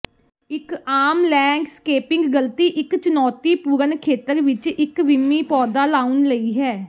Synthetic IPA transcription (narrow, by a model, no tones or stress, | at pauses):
ɪkaːmlɛ̃ːkskeːpɪ̃ŋɡɡəlt̪iːʔɪkt͡ʃənɔːt̪iːpuːɾənkʰeːt̪əɾʋɪt͡ʃɪkʋɪmːiːpɔːd̪aːlaːʊnləiːɦɛː